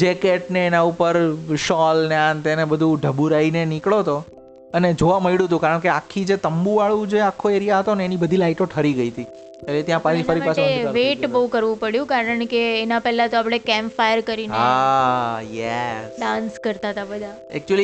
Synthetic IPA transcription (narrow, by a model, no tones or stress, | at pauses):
d͡ʒekeʈneːnaupəɾʃɔlneãnt̪enebəd̪ʱũɖʱəbuɾainenikɭot̪o | əned͡ʒoʋaməiɽũt̪̬ũkaɾəɳkeakʰːid͡ʒet̪əmbũʋaɭũd͡ʒeakʰːoeɾijaɦət̪oneːnibəd̪ʱilaiʈoʈʰəɾiɡəit̪ʰi | elet̪jãpãtifəɾimpasʰeʋeʈbəɦũkəɾʋũpəɽjũkaɾəɳkeːnapɛɦlat̪oapɽ̃ekɛmfajəɾkəɾinɦea | jɛsɖãnskəɾt̪at̪ʰabəd̪ʱa | ɛ̰k̚t͡ʃuəli